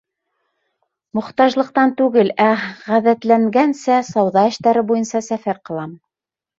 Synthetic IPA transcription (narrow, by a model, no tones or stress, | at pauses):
mŏχt̪ɑʒlˠɤ̆q̚t̪ɑnt̪ʉɡɘlæʁæðæt̪læŋɡænsæsɑwðɑɘ̆ʃt̪æɾɘbujɤnsɑsæfæɾqɤ̆lˠɑm